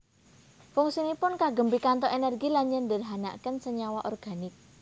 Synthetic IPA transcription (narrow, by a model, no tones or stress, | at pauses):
fʊŋsinipʊnkaɡə̤mbikant̪ɔʔenɛrɡilaɲd͡ʒəndərɦana̰kənsəɲawaʔɔrɡ̥a̤nɪk̚